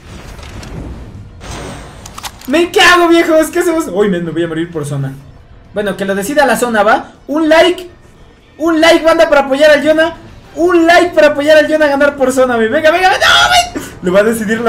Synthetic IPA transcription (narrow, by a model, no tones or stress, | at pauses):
meŋkeaɣoβje̞xoskeasemosojmesmeβojamoɾiɾpo̞ɾs̬ona | bwe̞noke̞loð̞e̞siðealaso̞naβa | unlajk | unlajk̚band̪apaɾaːpo̞ʝaɾalʝonaunlajk̚paɾaːpoʝaɾalʝonaɣanaɾpo̞ɾs̬o̞naβeβeŋɡaβeŋɡaβenaomeleβaðe̞siðiɾl